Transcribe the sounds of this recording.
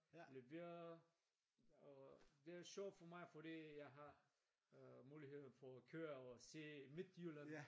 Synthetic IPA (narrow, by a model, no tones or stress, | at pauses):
leʋe | ɔd̥e̝æɐɕɔʊfɒmɑ̈ɪfɔɾiːjaɪɦɑ̈ | muːlihe̝ðˠn̩fɒkʰøːɐɔsḛːmid̪̥julən